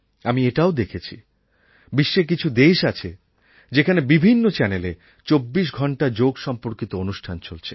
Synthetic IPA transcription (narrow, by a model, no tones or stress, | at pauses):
amieʈaod̪ekʰet͡ɕʰḭ | biʃːek̬it͡ɕʰud̪eʃat͡ɕʰe | d͡ʑekʰanebibʱinːot͡ɕɛnele | t͡ɕobːiʃ̬ɡʱɔɳʈad͡ʑoɡʃɔmpoɾkit̪oonuʃʈʰant͡ɕolt͡ɕʰe̥